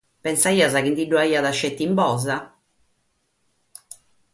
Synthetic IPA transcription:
pɛnsaiːazakind̪iɖːuaiːaðaʃːet̪ːimbɔːza

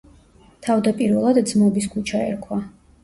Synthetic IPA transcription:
t̪ʰavd̪apʼiɾvɛlˠad̪d̪zmɔbis̬kʰut͡ʃʰaɛ̰ɾkʰwa

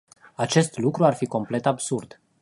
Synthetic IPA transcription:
at͡ʃe̞st̪lukɾuarfiko̞mple̞t̪absurd̪̥

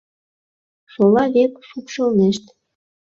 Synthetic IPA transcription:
ʃolɑβekʃupʃɤ̆lneʃt̪

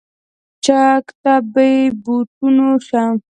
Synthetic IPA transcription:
t͡ʃakt̪abejbut̪unoʃa

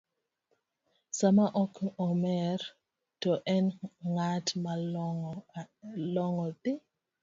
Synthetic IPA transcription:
samaʔɔkɔmɛɾ | tɔʔɛnŋatma | lɔŋɔtɪ

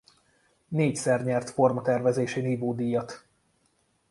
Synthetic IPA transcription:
neːcsɛrɲɛrt̪fo̞rmɒt̪ɛrvɛzeːʃeːniːvoːd̪iːjɒt̪

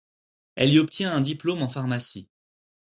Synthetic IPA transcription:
ɛliɔp̚t̪jɛ̃ɛ̃d̪iplomɑ̃faʁmasi

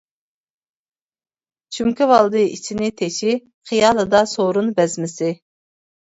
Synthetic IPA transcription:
t͡ʃʰymkʲivɑlˠd̪ɨit͡ʃʰinɪt̪ʰeʃi | χijɑːlˠɨd̪ɑsoɾunbɛzmɪsɪ

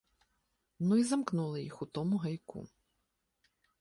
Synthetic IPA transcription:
nuizɐmknulˠɪjixut̪ɔmʊɦɐjkṵ

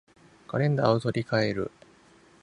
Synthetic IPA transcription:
kaɾẽ̞nd̪aːot̪o̞ɾʲikaeɾɯ̟̰

